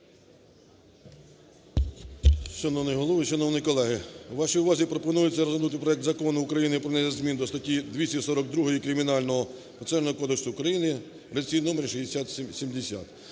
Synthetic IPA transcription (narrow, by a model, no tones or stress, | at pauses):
ʃɔnɔwnɪjɦɔlˠɔʋɪʃɔnɔwnɪjkɔlˠɛɦɪwʋɑʃijʊʋɑzʲipɾɔpɔnujʊt͡sʲːɐɾɔzɐnut̪ɪpɾɔɛk̚t̪zɐkɔnʊːkɾɐjinɪpɾɔnɛjɐzʲmʲind̪ɔst̪ɐtʲid̪ʲʋʲisʲisɔɾɔɡ̚d̪ɾuɦɔjikɾɪmʲinɑlʲnɔɦɔ | pɐt̪sɛrnɔɦɔkɔd̪eksʊːkɾɐjinɪ | ɾesʲijnɔmeɾʲʃid̪ʲesʲat̪sʲsʲimd̪esʲa̰t̪